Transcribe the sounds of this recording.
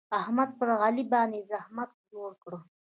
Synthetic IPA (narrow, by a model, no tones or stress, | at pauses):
ahmad̪̚pəɾɣalibɑnd̪ezahmat̪̚d͡ʒoɾkɽo